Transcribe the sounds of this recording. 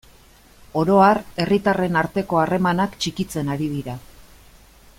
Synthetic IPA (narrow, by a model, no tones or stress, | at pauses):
o̞ɾo̞are̞rit̪are̞naɾt̪e̞ko̞are̞manakt͡ʃikit͡se̞naɾið̞iɾa